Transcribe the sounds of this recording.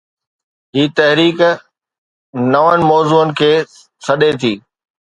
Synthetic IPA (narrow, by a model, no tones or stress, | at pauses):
ɦiːt̪ɐɦɾiːk | nɐʋənɪ̆mɔːzuːənɪ̆kʰeː | sɐɗet̪ʰiː